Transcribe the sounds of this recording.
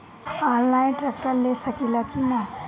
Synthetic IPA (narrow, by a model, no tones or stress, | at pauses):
aːnlaːɪnʈɾɛːk̚ʈəɾlesɐkilakina